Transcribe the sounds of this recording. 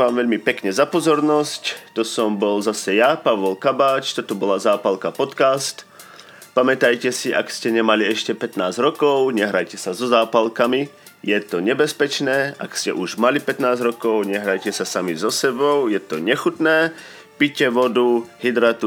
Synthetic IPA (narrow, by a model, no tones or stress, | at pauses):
ʋaːmʋɛʎmipɛkɲɛzapɔzɔɾnɔsct̪ɔsɔmbɔlzasɛjapaʋɔlkabaːt͡ʃt̪ɔt̪ɔbɔlazaːpalkapɔt̪kast̪ | pamɛt̪ajcɛsiʔa̰kscɛɲɛmaliɛʃcɛpɛt̪naːzɾɔkɔʊɲɛɦɾajcɛsazɔzaːpalkami | jɛt̪ɔɲɛbɛspɛt͡ʃnɛːʔa̰kscɛ̰ʔuʒmalipɛt̪naːzɾɔkɔʊɲɛɦɾajcɛsasamizɔsɛbɔʊjɛt̪ɔɲɛxut̪nɛː | picɛʋɔd̪uɦid̪ɾat̪u